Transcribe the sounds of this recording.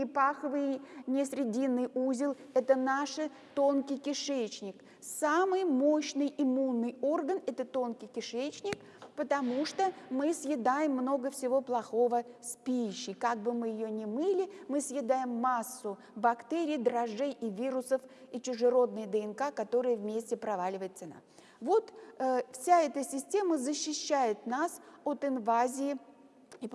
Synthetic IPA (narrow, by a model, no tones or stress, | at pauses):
ɪpaxəvɨjnʲɪsʲɾʲɪdʲinːɨjuzʲɪlˠɛt̪ənaʂɨ | t̪onkʲɪjkʲɪʂɛt͡ɕnʲɪk | samɨjmo̞ɕnɨjɪmunːɨjo̞rɡənɛt̪ət̪o̞nkʲɪjkʲɪʂɛt͡ɕnʲɪk | pət̪ɐmuʂt̪omɨsjɪd̪ajɪmːno̞ɡəfsʲɪvo̞plˠɐxo̞vəspʲiɪɕːɪkaɡ̚bɨmɨjɪjonʲɪmɨlʲɪmɨsjɪd̪ajɪmːasːʊ | bɐkt̪eɾʲɪːd̪ɾɐʐejʔivʲiɾʊsəfit͡ɕɪʐɨɾo̞d̪̚nɨjd̪əɛnkakɐt̪o̞ɾɨjəvmʲesʲtʲɪpɾɐvalʲɪvəjɪt̪sɨna̰ | vo̞t̪fsʲaɛt̪əsʲɪsʲtʲe̞məzəɕːɪɕːæjɪt̪nasot̪ɪnvazʲɪɪ